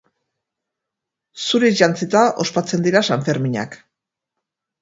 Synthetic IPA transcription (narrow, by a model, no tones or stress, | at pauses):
suɾeʝant͡sit̪aʔo̞spat͡se̞nd̪iɾasaɱfe̞ɾmiɲa̰k